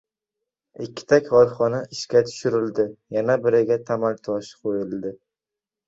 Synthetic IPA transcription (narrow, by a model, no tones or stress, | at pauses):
ɪkʲːɪ̥t̪ʰakʲhɒɾχɒnaɪʃkʲat̪ʰʊ̥ʃʊɾɪld̪ɪjanabɪɾɪɡʲat̪ʰamalt̪ʰɒʃqʰojɪld̪ɪ